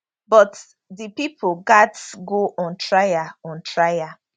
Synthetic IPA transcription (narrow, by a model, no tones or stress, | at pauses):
bɔt | dipipʰoɡatɡoʔɔ̃ntɹajaɔ̃ntɹaja